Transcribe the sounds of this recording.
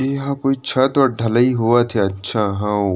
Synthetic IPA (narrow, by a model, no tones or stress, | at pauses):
eɦãkoːit͡ʃʰɐt̪ɔɾɖʱɐləiɦuat̪ʰeɐtːʃʰaɦão